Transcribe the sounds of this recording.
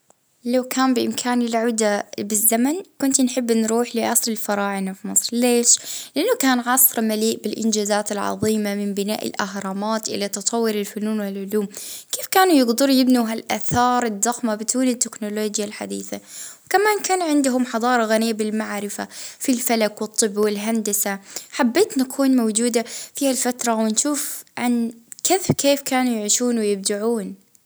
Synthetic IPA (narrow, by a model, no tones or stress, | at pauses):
lawkʰaːnbɪʔɪmkʰaːnɪlʕaːd̪abɪzːamankʊnt̪nħɪbːnɾuːħlɪʔɑsˤlɪlfɑɾˤɑːʕɪnafimɨsˤɾˤleːʃlɪʔanːʊkaːnʕɑsˤɾˤmaliːʔbɪlʔɪnd͡ʒaːzaːt̪ɪlʕɑ̰ðˤiːmamɪmbɪna̰ːʔɪ̰lʔaɦɾˤɑːmaːt̪ʔɪ̰lat̪ɑt̪ˤʰɑwːɪɾɪlfʊnuːnwɪlʕʊluːmkeːfkaːnujɪɡd̪ɨɾjɪbniɦalʔaθɑːɾˤɪd̪ːɑxmabɪd̪uːnɪt̪ːɪknʊloːd͡ʒjalħa̰d̪ḭːθawkamaːnkaːnʕɪnd̪ʊɦʊmħɑðˤɑːɾˤɑɣanijːabɪlmaʕɾɪfa̰filfalakwɨt̪ˤːɨbːwɪlɦand̪asaħabːeːt̪nakʰuːnmawd͡ʒuːd̪afiːhalfat̪ɾˤɑwɪnʃuːfʕankeːðkeːfkaːnujɪʕiːʃuːnwɪjɪb̚d̪aʕuːn